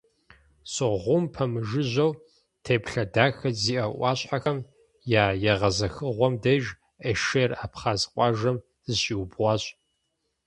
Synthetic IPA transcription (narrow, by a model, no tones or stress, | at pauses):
sʼɨʁʷʊmpʰɐmɨʒɨʑɐw | tʰeːpɬɐdaːxɐziːʔɐʔʷɑːɕħaxɐm | jaːjɛʁɐzɐxɨʁʷɔmdɐʒ | ɐʃeraːpχaːzqʷʼɑːʒɐm | zɨɕʼiwbʁʷɑːɕʼ